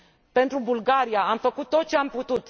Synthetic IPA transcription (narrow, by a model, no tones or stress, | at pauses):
pe̞nt̪ɾubulɡaɾijaamfəkut̪ːo̞t̪̚t͡ʃeamput̪ut̪